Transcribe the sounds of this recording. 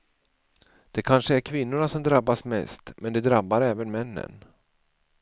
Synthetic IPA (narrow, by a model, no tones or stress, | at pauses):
d̪̥ɛkʰanʂəæɾkʰvɪnːʊɳasɔmd̪ɾabːasmɛ̰st̪mɛnd̪ɛd̪ɾabːaɾɛːvənmɛnːə̰n